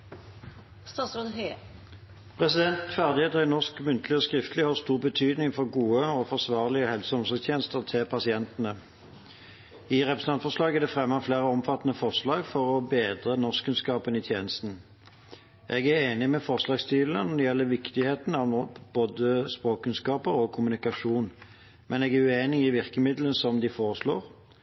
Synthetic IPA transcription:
st̪ɑsod̪ | pʰʁɛsɪd̪ɛnt̪fæʁd̪ɪheːt̪əʁɪnɔskmʉnt̪lɪɔskʁɪft̪lɪhɑːst̪uːʁbət̪ʰyːd̪nɪŋfɔʁɡuːəɔfɔʁsʋɑːʁlɪəhɛlsɔmsɔɡst̪ʰjeːnəst̪əʁt̪ʰɪlpʰɑsɪɛnt̪nə | ɪʁɛpʁɛsn̩ʰɑnfɔslɑːɡæʁd̪ɛfʁɛmːəʁfleːʁəɔmfɑt̪ːnəfɔʁʂlɑːɡfɔʁɔbeːd̪ʁənɔskʰʉnskɑːpənɪːt̪ʰjeːnəst̪n̩ | ʔɛɡæʁeːnɪmɛfɔʁslɑːɡst̪yːlənɔd̪ɛjɛlːəʋɪkt̪ɪheːt̪n̩ɑʋ̪ɔb̥oːd̪əspʁoːk̚kʰːʉnskɑːpəɾɔkʰʊmʉnɪkɑʂuːn | mʔɛnɛːɡæʁʉeːnɪɪʋɪʁkəmɪd̪lənsɔmd̪ɪfoːʁəʂloːʁ

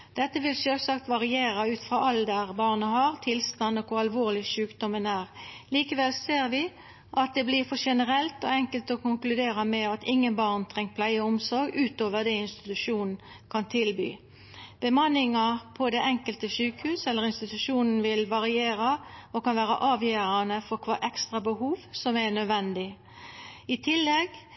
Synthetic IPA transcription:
d̪̥ɛt̪ːəʋɪlʃøːlsɑk̚t̪ʋɑʁɪeːɾɑʉːt̪fʁɑːʔɑld̪əʁbɑːʁnəhɑʁt̪ʰɪlst̪ɑnːɔkʰʊʁɑlʋoːʁlɪʃʉːkd̪ɔmənæːʁliːkəʋɛlseːʁʋɪ | ʔɑt̪̚d̪ɛblɪːʁfɔʂɛnəʁɛlt̪ɔ̰ɛŋkəlt̪ɔkʊŋklʉd̪eːʁəmɛɑt̪ʰɪŋːənbɑːʁnt̪ʰʁɛŋkt̪̚pʰlæɪəʊmsɔɾɡʉːt̪oːʋəʁd̪ɛɪnst̪ɪ̥t̪ʉʂuːnn̩ | kʰɑnt̪ʰɪlby̰ː | b̥əmɑnːɪŋɑpʰɔd̪ɛʔɛŋkəlt̪əʃʉːkhʉːsɛlːəʁɪnst̪ɪt̪ʉʂuːnn̩ʋɪlʋɑʁɪeːɾɑɔkɑnʋæːɾə̰ʔɑːʋjøːɾɑnəfɔʁkʰʋɑːʔɛkst̪ʁɑbəɦuːʋsɔmɛnœd̪ʋɛnd̪ɪ | ɪt̪ʰɪlːɛɡ

